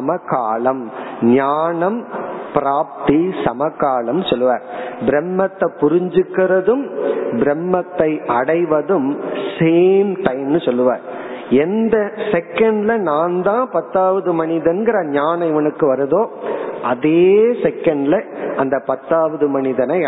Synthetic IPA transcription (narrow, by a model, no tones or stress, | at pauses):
ɐmɐkaːɭɐmɲaːɳɐmpɪɾaːp̚t̪isɐmɐkːaːlɐmnɯsɔlːɯʋa̰ːɾbɪɾɛmːɐt̪ːɐpːʊɾɪɲd͡ʒɯkːɪɾɐðɯmbɪɾɛmːɐt̪ːɐɪɐɽɐɪʋɐðɯmseːmʈɐɪmnɯsɔlːɯʋa̰ːɾ | ɛnd̪ɐsɛkɐɳɖlɐnaːnd̪ãːpɐt̪ːaːʋɐðɯmɐɳɪðɐnɡɪɾɐɲaːnɐɪʋɐnɯkːɯʋɐɾɐðoːʔɐðeːsɛkːɐɳɖlɐɐnd̪ɐpɐt̪ːaːʋɐðɯmɐɳɪðɐnɐɪ